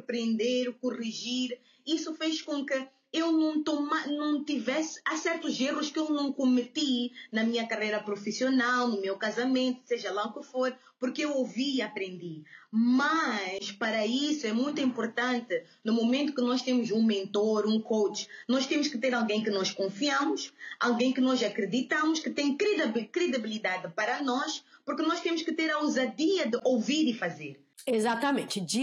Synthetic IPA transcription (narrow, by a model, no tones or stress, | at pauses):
pɾẽnd̪eɾkuʁiʒiɾ | isufeʃkõkɨ | ewnɐ̃w̃t̪õmanɐ̃w̃t̪ivɛsɨ̥asɛɾt̪uzeʁuʃkewnɐ̃w̃komɨt̪inɐmĩɲɐkɐʁejɾɐpɾofisionalˠnʊmewkazɐmẽnt̪u̥seʒɐlˠaukɨfoɾ | puɾkewoviiɐpɾẽnd̪imɐʃpɐɾɐisuɛmũj̃t̪uĩmpoɾt̪ɐ̃nt̪ɨ | numomẽnt̪u̥kɨnɔʃt̪emʊzũmẽnt̪oɾũkowt͡ʃnɔʃt̪ẽmʊʃkɨt̪eɾalˠɡẽj̃kɨnɔʃkõfiɐ̃mʊʃalˠɡẽj̃kɨnɔzɐkɾɨd̪it̪ɐ̃mʊʃkɨt̪ẽj̃kɾɨd̪kɾɨd̪ibilid̪ad̪ɨpɐɾɐnɔʃpuɾkɨnɔʃt̪ẽmʊʃkɨt̪eɾɐuzad̪iɐd̪ɨʔowviɾifɐzeɾ | ezat̪ɐmẽnt̪d͡ʒi